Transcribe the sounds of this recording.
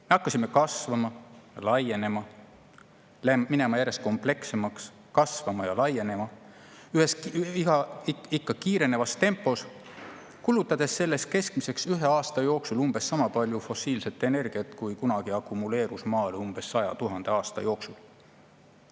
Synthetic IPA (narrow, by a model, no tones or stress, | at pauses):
me̞ɑkːɑsʲimːe̞kɑsvɑmɑlɑje̞ne̞mɑ | lemine̞mɑjæɾe̞st̪ko̞mple̞kse̞mɑks | kɑsvɑmɑjɑlɑje̞ne̞mɑ | yhesihɑikːɑkiːɾe̞ne̞vɑst̪e̞mpːˑo̞s | kulːˑut̪ːˑɑd̪̥e̞sːe̞lːe̞st̪̚ke̞skmise̞ksyɦe̞ɑːst̪ɑjo̞ːksulumb̥e̞sːɑmɑpɑlʲjufo̞siːlse̞t̪ːˑe̞ne̞rɡ̥iɑt̪kujkunɑɡ̥iɑkːˑumule̞ːɾusmɑːlumb̥e̞sːɑjɑ̰t̪uɦɑnd̪̥e̞ɑːst̪ɑ̰jo̞ːksul